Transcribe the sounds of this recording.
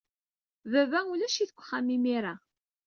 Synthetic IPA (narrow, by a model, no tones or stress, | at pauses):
vævæulæʃiθəkʷːχamːimiɾa